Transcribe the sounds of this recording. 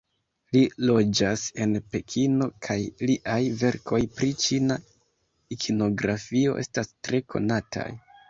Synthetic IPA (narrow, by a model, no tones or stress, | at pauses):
lilo̞d͡ʒase̞npe̞kʰino̞kʰajliʔajve̞ɾko̞jpɾit͡ʃina | ikʰino̞ɡɾafio̞ʔe̞̰stastɾe̞kʰo̞̰natʰa̰j